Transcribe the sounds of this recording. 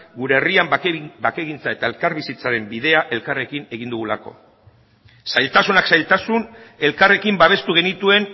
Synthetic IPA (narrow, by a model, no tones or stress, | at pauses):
ɡuɾe̞ːriambakeɣint͡sae̞t̪ae̞lkaɾβisit͡saɾe̞mbið̞e̞aʔe̞lkare̞kine̞ɣind̪uɣ̞ula̰ko̞̰ | sajlt̪asunaksajlt̪asune̞lkare̞kimbaβ̞e̞st̪uɣ̞e̞nit̪ue̞n